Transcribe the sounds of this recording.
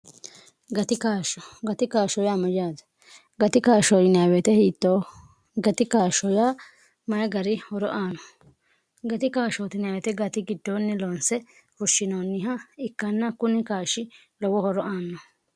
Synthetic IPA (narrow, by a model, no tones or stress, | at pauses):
ɡɐt̪ɪkaːʃɔɡɐt̪ɪkaːʃɔjaːmɐd͡ʒaːd̪ɐ̥ | ɡɐt̪ɪkaːʃoːt̪ɪnaːwɛt̪ɛhiːt̪ːoː | ɡɐt̪ɪkaːʃɔjaː | mɐjɐɡɐɾɪhɔɾɔʔaːnɔ | ɡɐt̪ɪkaːʃoːt̪ɪnawɛt̪ɛɡɐt̪ɪɡɪd̪ːoːnːɪlonsɛ | fʊʃːɪnoːnːɪɦɐɪkːɐnːɐkʊnɪkaːʃːɪ | lɔwɔhɔɾɔʔaːnːɔ